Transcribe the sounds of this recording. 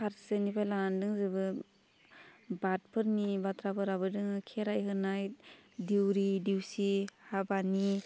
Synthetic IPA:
pʰaɾsɯnipʰajlanandɯŋzɯbɯ | bat̚pʰɯɾnibatɾapɯɾabɯdɯŋkʰeɾajɦɯnajdiwɾidiwsihabani

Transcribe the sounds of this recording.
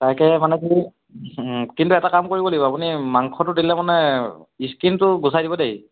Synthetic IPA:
taɹkɛmanɛki | kintuɛtakamkoɹibolibɔapunimaŋkʰɔtʊdilɛmanɛiskintʊɡusajdibɔdeɦi

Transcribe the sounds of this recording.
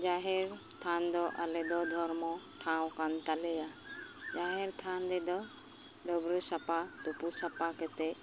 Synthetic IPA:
d͡ʒaɦɛɾ | t̪ʰand̪ɔʔalɛd̪ɔd̪ʱɔɾmɔ̃ | ʈʰãw̃kant̪alɛjad͡ʒaɦɛɾt̪ʰand̪ɛd̪ɔ | ɖɔbɾəsapat̪upusapakɛt̪ɛ

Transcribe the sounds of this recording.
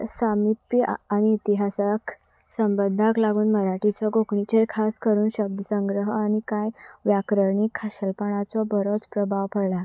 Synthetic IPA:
samipjəaɽ̃iːt̪iɦasak | səmbəd̪ʱaklaɡuːnməɾaʈit͡sɔɡokɳit͡ɕeɾkʰaskəɾuːnɕəb̚d̪ʱəsəŋɡɾəɦəañikajʋjakɾəɾɳikʰːaɕəlpəɽ̃at͡sɔbəɾot͡spɾəbʱaʋpəɽla

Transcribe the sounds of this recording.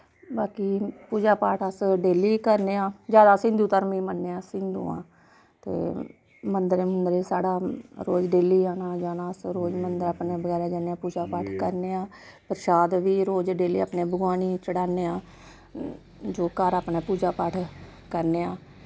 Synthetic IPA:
baːkiːpuːd͡ʒaːpaːʈʰəsɖeːliːkəɾneːãːd͡ʒjaːd̪aːsɪ̃nd̪uːt̪əɾmiːmənːeːãːsɪ̃nd̪ṵ̃ːã̰ː | t̪ḛː | mənd̪əɾemənd̪əɾesaːɽaːɾoːd͡ʒɖeːliːaːnaːd͡ʒaːnãːəsɾoːd͡ʒmənd̪əɾaːpneːbəɡɛːɾaːd͡ʒaːneãːpuːd͡ʒaːpaːʈʰkəɾneːãː | pəɾʃaːd̪ʋiːɾoːd͡ʒɖeːliːa̰ːpneːbəɡwaːniːt͡ʃəɽaːneːãː | d͡ʒoːkəɾaːpneːpuːd͡ʒaːpaːʈʰ | kəɾneːaː

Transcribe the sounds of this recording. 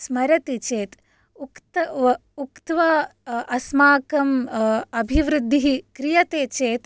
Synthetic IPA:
smɐɾɐt̪it͡ʃeːt̪ | ukt̪ukt̪ʋɐʔɐsmaːkɐmɐbʱiʋɾɨd̪ʱːiɦikɾijɐt̪eːt͡ʃeːt̪

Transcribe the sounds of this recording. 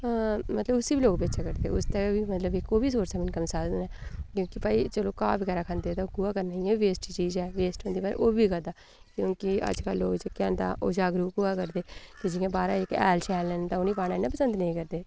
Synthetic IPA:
mət̪ləbʊsiːbiːloːkbeːt͡ʃaːkəɾd̪eːʊ̰st̪ebiːmət̪ləbɪkːoːbiːsoːɾsaːmɪnkəmsaːznɛːkjõːkipaːiːt͡ʃəloːkaːʋəɡɛːɾaːkʰãnd̪eːt̪ãɡʊaːkəɾnaːĩːɛːʋeːsʈt͡ʃiːd͡ʒɛːʋeːsʈɦõnd̪iːbaːɾ̰ʔoːbiːkəd̪aː | kjõːkɪə̰d͡ʒkəloːd͡ʒəkɛ̃ːnd̪a̰ːʔo̰ːd͡ʒaːɡɾuːkɡʊaːkəɾd̪eːked͡ʒɪjãːbaːɾaːɪkɛ̰ːlʃɛːlːɛːnt̪ãːʊniːpaːnaːɪnːaːpəsə̃nd̪nəĩːkəɾd̪eː

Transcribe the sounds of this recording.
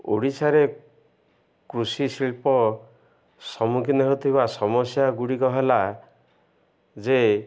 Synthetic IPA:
o̰ɽisʰaɾe | kɾusisilpɔ | sɔmukʰineɦot̪ʰibasɔmɔsjaɡuɽikɔɦela | d͡ʒe

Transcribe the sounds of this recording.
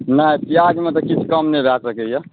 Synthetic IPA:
nasiad͡ʒmet̪ɔkit͡ʃʰkəmnebʱasəkɛje

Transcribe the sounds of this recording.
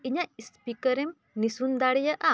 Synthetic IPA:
iɲaispikəɾem | nisund̪aɽijəʔa

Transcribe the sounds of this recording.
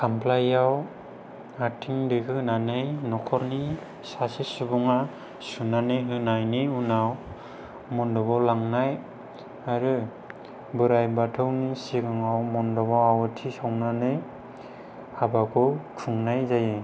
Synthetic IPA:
kʰamplajaw | atʰiŋdɯɡɯnanɯjnɔkʰɔɾni | sasisubuŋa | sunanɯjɦɯnajniunaw | mɔndɔbawlaŋnaj | aɾɯ | bɯɾajbatʰɯwnisiɡaŋawmɔndɔbawawɯtʰisawnanɯj | abakʰɔkʰuŋnajzaje

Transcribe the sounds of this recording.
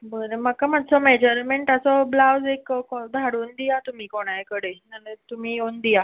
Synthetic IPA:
bənəmakamadsɔmed͡ʑəɾmeɳʈəsɔblawd͡zekkd̪ʱaɽuːnd̪ijat̪um̤iːkoɽ̃ajkəɽenanət̪umiːjond̪ija

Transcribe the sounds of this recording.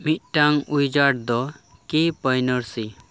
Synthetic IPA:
mit̪̚ˀʈaŋujd͡ʒaʈ̚d̪ɔkipəjnəɾsi

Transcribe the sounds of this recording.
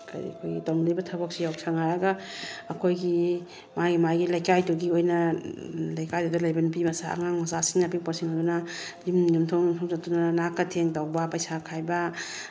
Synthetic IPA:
kʰa̰kʰojɡitɔŋlibɐtʰabak̚sijawksʰaŋajaɡaːkʰojɡi | maɡimajɡilajkajduɡiojnɐ | lajkajdudalajbɐnpimɐsa̰a̰ŋaŋmasasiŋnapiŋpɔɾsiŋajdunazimjumtʰɔŋmtʰɔŋzatunanakatʰeŋdawbapajsakʰajba

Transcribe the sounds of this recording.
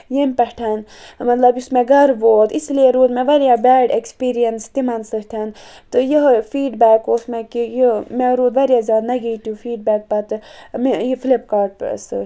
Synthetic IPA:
jemʲpɛhʈʰanmɐt̪lɐbjusmeɡɐɾʋoːt̪islieɾuːd̪meʋɐɾjabɛːɖekspiːɾijɐnst̪imɐnsɨɦt̪ʲʰan | t̪ɨjəɦfiːɖbɛːkosmekijimeɾuːd̪ʋɐɾijazʲjaːd̪nɐɡiːt̪jũfiːɖbɛːk̚pɐt̪mejifʰilipkaːɾɖ̰sɨ̰

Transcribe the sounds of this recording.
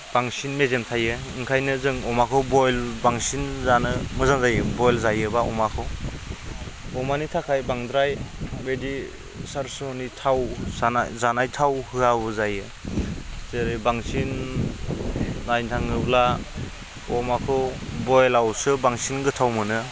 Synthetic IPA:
b̥aŋsinmezemtʰajɯ | ɯŋkʰajnɯzɯŋɔmakʰɯwbɔjlbaŋsinzanɯmɯzaŋzajɯbɔjlzajɯbaɔ̰makʰɯw | ɔmanitʰakʰajbaŋdɾajbedi | saɾsɔnitʰawsana̰zanajtʰawhɯabɯzajɯ | zeɾibaŋsin | ajntʰaŋɯbla | ɔmakʰɯwbɔjlawsɯbaŋsinɡɯtʰawmɯnɯ

